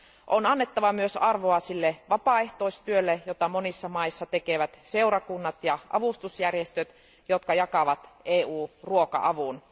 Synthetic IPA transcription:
ʔonɑnːet̪ːɑʋɑmyøsɑrʋoɑsilːeʋɑpɑˑeht̪oist̪yølːejot̪ɑmonisːɑmɑisːɑt̪ekeʋæt̪se̞uwɾɑkunːɑt̪jɑʔɑ̰ʋust̪usjærjest̪øt̪ | jot̪kɑjɑkɑʋɑt̪ʔeːuːruokɑ̰ʔɑʋun

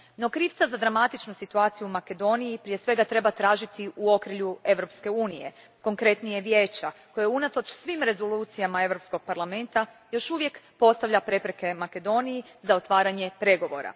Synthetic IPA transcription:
no̞kɾiːft̪sazad̪ɾamat̪it͡ʃnusit̪uaːt̪sijuumake̞d̪o̞nijipɾijesʋe̞ɡat̪ɾe̞bat̪ɾaːʒit̪iʔuo̞kɾiʎue̞ʋɾo̞pske̞uːnije̞̰ | ko̞ŋkɾe̞t̪nijeʋjeːt͡ɕako̞jeunat̪o̞t͡ʃsʋimɾe̞zo̞luːt̪sijamae̞ʋɾo̞psko̞ɡ̚paɾlˠame̞nt̪a | jo̞ʃuʋje̞kpo̞st̪aʋʎapɾe̞pɾe̞ke̞make̞d̪o̞niji | zao̞t̪ʋaːɾaɲe̞pɾe̞ɡo̞ʋo̞̰ɾa̰

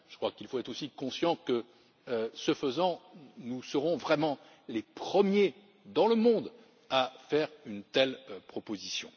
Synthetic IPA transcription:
ʒ̥əkχwakilfoɛt̪χosikɔ̃sjɑ̃kə | øsəfəzɑ̃nusəʁɔ̃vʁɛmɑ̃ | lepχəmje | d̪ɑ̃ləmɔ̃d̪ | afɛʁynt̪ɛlpχɔpozisjɔ̰̃

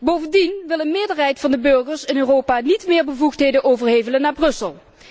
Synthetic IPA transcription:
bowvəndinʋɪlˠənmɪːɹdəɹɦɛjtfɑndəbɵɹɣəɹsɪnøːroːpaːnitmɪːɹbəvuxtɦejdənʔowvəɹɦejvələnːaːɹbrɵsəlˠ

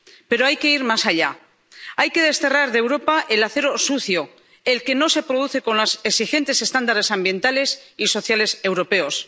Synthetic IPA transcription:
pe̞ɾoajke̞iɾmasaʎa | ajke̞ð̞e̞st̪e̞raɾðe̞wɾo̞paʔe̞laθe̞ɾo̞suθjo̞ | e̞lke̞no̞se̞pɾo̞ð̞uθe̞ko̞nloseksixe̞nt̪e̞se̞st̪and̪aɾe̞sambjẽ̞nt̪ale̞siso̞θjale̞se̞wɾo̞pe̞o̞s

